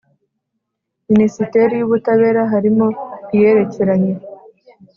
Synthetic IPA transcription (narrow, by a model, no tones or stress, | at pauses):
minisite̞ɾijuβutaβe̞ːɾaɦaɾimo̞ijeɾe̞ceɾaɲe̞